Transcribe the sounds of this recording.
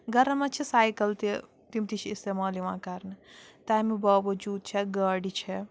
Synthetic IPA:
ɡɐɾɐmɐt͡ʃʰisaːjkɐlt̪i | t̪imt̪it͡ʃʰist̪eːmaːliʋãːkɐɾnɨt̪aːmibaːʋɐd͡ʒuːd̪̚t͡ʃʰɛɡɐːɖit͡ʃʰɛ

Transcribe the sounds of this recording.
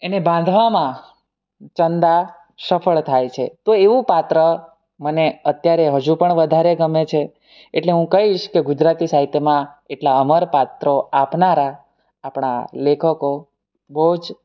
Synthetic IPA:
enebãnd̪ʱʋamã | t͡ʃənd̪a | səfʰəɭt̪ʰajt͡ʃʰet̪oeʋũpat̪ɾə | məneət̪jaɾeɦəd͡ʒũpəɳʋəd̪ʱaɾeɡəmet͡ʃʰe | eʈleɦũkəɦiʃkeɡud͡ʒɾat̪isaɦit̪ʰːemãeʈlaəməɾpat̪ɾoapnaɾaː | pɳ̃a̰lekʰəko | bəɦud͡ʒ

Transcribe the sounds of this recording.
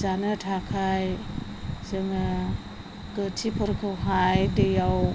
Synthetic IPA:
zanɯtʰakʰaj | zɯŋa | ɡ̥ətʰipʰɯɾkʰɯwɦajdejaw

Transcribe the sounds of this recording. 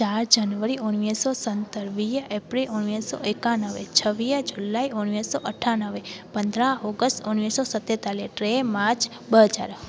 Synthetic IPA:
t͡ʃaɾd͡ʒənʋəɾionʋisosənt̪əɾʋijepɾilʔonʋiso̰ʔekanəʋḛt͡ʃʰəʋijəd͡ʒulːaionʋisoʔəʈʰanəʋepənd̪ʱɾaɔɡəsʈonʋisosət̪ːet̪aleʈɾemat͡ʃ | bəɦəd͡ʒa̰ɾ

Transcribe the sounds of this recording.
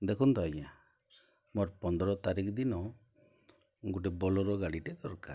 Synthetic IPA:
d̪ɛkʰund̪ɔaja | mɔɾpɔnd̪ɾɔt̪aɾikd̪inɔ | ɡuʈ̬ɛbɔlɔɾɔɡaɽiʈɛd̪ɔɾka

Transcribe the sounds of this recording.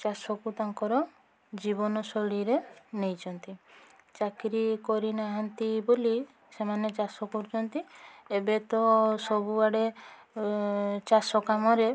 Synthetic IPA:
t͡ʃasɔkut̪aŋkɔɾɔ | d͡ʒibɔnɔsɔɽiɾenejt͡ʃʰɔnt̪it͡ʃakɾikɔɾinaɦɔnt̪iboli | semanet͡ʃasɔkuɾt͡ʃɔnt̪iebet̪ɔsɔbubaɽe | t͡ʃasɔkamɔɾe

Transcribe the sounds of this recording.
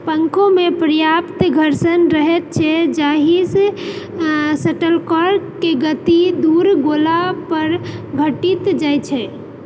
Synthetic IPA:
pəŋkʰomepɾəjapt̪ɡʱəɾsənɾəɦɛt̪̚t͡ʃʰɛd͡ʒaɦis | səʈəlkɔɾkeɡət̪id̪uɾɡolapəɾɡʱəʈit̪d͡ʒajt͡ʃʰɛ

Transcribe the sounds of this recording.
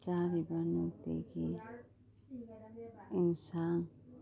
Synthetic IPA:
aɾibanut̪ḛɡi | insan

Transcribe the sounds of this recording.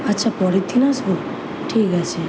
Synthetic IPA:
atːʃʰapɔɾit̪ʰinaso | ʈʰikat͡ʃʰe

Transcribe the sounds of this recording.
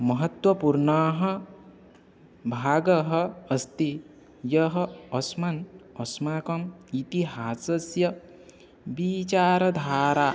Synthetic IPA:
mɐɦɐt̪wɐpuɾɳaɦɐ | bʱaːɡɐɦɐɐst̪i | jʌɦɐɔsmɐnɔsmaːkɐmit̪iɦaːsɐsjɐ | bit͡ʃaːɾɐd̪ʱaːɾaː

